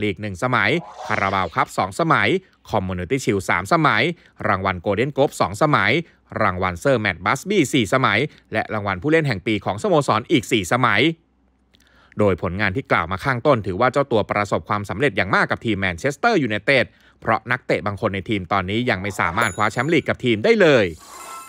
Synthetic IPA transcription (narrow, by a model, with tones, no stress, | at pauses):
liː˨˩k̚nɯ˨˩ŋsa˧ma˩˦jkʰa˧ɾa˧baː˧wkʰa˦˥p̚sɔː˩˦ŋsa˧ma˩˦j | kʰɔ˧mːuː˧ni˧t̪iː˥˩t͡ɕʰi˧wsaː˩˦msa˧ma˩˦j | ɾaː˧ŋwa˧nkoː˧de˥˩nkoː˦˥p̚sɔː˩˦ŋsa˧ma˩˦j | ɾaː˧ŋwa˧nsɤː˥˩mɛ˨˩t̪̚baː˦˥sbiː˥˩siː˨˩sa˧ma˩˦j | lɛ˦˥ʔɾaː˧ŋwa˧npʰuː˥˩le˥˩nɦɛ˨˩ŋpiː˧kʰɔː˩˦ŋso˧moː˧sɔː˩˦nʔiː˨˩k̚siː˨˩sa˧ma˩˦j | doː˧jpʰo˩˦nŋaː˧nt̪ʰiː˥˩kla̰ː˨˩wmaː˧kʰaː˥˩ŋt̪o˥˩nt̪ʰɯː˩˦waː˥˩t͡ɕa˥˩wt̪u˧ɐpɾa˧so˨˩p̚kʰwaː˧msa˩˦mɾe˨˩t̪̚jaː˨˩ŋmaː˥˩kːa˨˩p̚t̪ʰiː˧mːɛː˧nt͡ɕʰe˦˥st̪ɤː˥˩juː˨˩na˧jt̪eː˥˩t̪̚ | pʰɾɔ̰˦˥ʔna˦˥k̚t̪e˨˩baː˧ŋkʰo˧nːa˧jt̪ʰiː˧mt̪ɔː˧nːiː˦˥ja˧ŋma˥˩jsa̰ː˨˩˦maː˥˩t̪̚kʰwaː˦˥t͡ɕʰɛ˦˥mliː˨˩kːa˨˩p̚t̪ʰiː˧mdaː˥˩jlɤː˧j